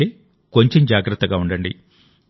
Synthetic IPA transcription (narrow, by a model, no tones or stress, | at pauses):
eː | ko̞ɲt͡ʃe̞md͡ʒaːɡɾɐt̪ːɐɡaːuɳɖɐɳɖḭ